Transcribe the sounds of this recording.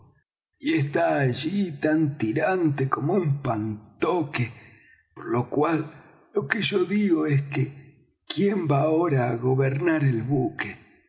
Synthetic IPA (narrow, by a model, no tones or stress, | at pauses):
iest̪aːʒit̪ant̪iɾant̪ekomoumpant̪oke | poɾlo̞kwalː | o̞keʒo̞ðiɣoeske | kje̞mbaoɾaːɣo̞βeɾnaɾelβuke